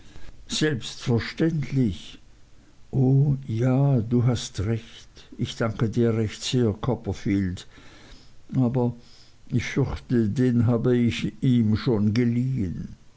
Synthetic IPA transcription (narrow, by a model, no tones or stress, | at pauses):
z̥ɛlpstfɛɐʃtɛntʰlɪç | ʔoːjaːduːɦastʁɛçtɪçd̥aŋkədiːɐʁɛçtz̥eːɐkʰɔpɐfiːlt | ʔaːbɐ | ɪçfʏɐçtədeːnɦaːbəɪçiːmʃoːnɡəliːən